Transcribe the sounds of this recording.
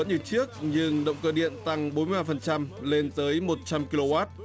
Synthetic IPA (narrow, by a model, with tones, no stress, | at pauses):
ə˨˦nɲɨ˧˩t͡ɕɨ˦˥ək̚ɲɨ˧ŋɗə̰˧˨wŋ͡mkəː˧˩ɗḭ˧˨ənt̪a˧ŋɓo˨˦nm˧jaː˧fə˨˩nt͡ɕa˧mle˧nt̪əː˨˦jmo˨˩t̚t͡ɕa˧mki˧lo˧waː˦˥t̚